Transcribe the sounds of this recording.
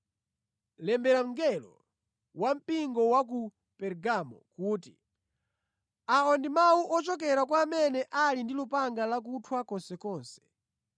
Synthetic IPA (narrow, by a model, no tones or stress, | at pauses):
lɛmbɛɾam̩ɡɛlɔ̰ | wam̩piŋɡɔwak̬u | pɛɾɡamɔ̰kuːti | aɔndimauʔɔt͡ʃɔk̬ɛɾak̬waːmɛnɛʔalindilupaŋɡalak̬utʰwakɔnsɛkɔːnsɛ̥